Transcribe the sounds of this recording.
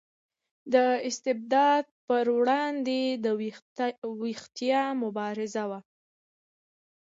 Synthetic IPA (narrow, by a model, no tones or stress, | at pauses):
d̪əɪst̪ɪb̚d̪ɑd̪̚pəɾwɽɑnd̪ed̪ə | wixt̪ijɑmʊbɑɾɪzawa